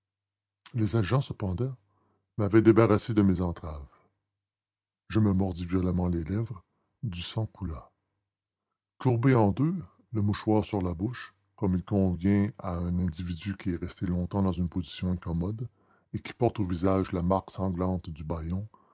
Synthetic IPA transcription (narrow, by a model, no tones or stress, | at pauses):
lezaʒɑ̃səpɑ̃d̪ɑ̃ | mavɛd̪ebaʁased̪əmezɑ̃t̪χav | ʒəməmɔʁd̪ivjɔlamɑ̃lelɛvʁ | d̪ysɑ̃kula | kuʁbeɑ̃d̪ø | ləmuʃwaːʁsyʁlabʊʃ | kɔmilkɔ̃vjɛ̃aɛ̃nɛ̃d̪ivid̪ykʲiɛʁɛst̪elɔ̃t̪ɑ̃d̪ɑ̃zynpozi̥sjɔ̃ɛ̃kɔmɔd̪ | ekʲi̥pɔʁt̪ovizaʒlamaʁksɑ̃ɡlɑ̃t̪d̪ybajɔ̃